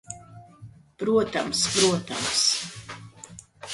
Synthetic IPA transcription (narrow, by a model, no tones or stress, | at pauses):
pɾuɔt̪amspɾuɔt̪a̰ms